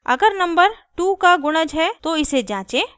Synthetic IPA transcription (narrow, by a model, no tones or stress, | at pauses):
ɐ̰ɡəɾnɐ̃mbəɾ | ʈuːkaɡʊɽ̃əd͡ʒɦɛt̪oɪsed͡ʒãːt͡ʃẽː